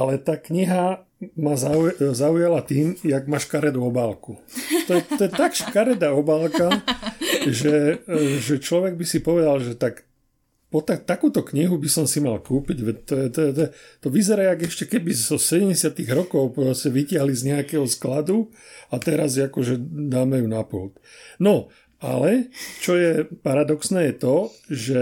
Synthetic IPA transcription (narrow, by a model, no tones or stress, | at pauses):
alɛt̪aːkɲiɦa | mazazaujalat̪iːmjaɡmaːʃkaɾɛd̪uɔbaːlkut̪ɔjɛt̪ɔjɛt̪akʃkaɾɛd̪aɔbaːlka | ʒɛʒɛt͡ʃlɔʋɛɡ̚bisipɔʋɛd̪alʒɛt̪ak | pɔt̪at̪ːakuːt̪ɔkɲiɦubisɔmsimalkuːpiɟʋɛct̪ɔjɛt̪ɔjɛt̪ɔɛt̪ɔʋizɛɾaaɡɛʃcɛkɛbizɔsɛɟɛmɟɛsɪat̪iɣɾɔkɔʊpɾɔscɛʋicɪaɦlizɲɛakɛɦɔsklad̪u | at̪ɛɾazakɔʒɛd̪aːmɛjunapṵːt̪nɔ | a̰lɛt͡ʃɔjɛpaɾad̪ɔksnɛːjɛt̪ɔʒɛ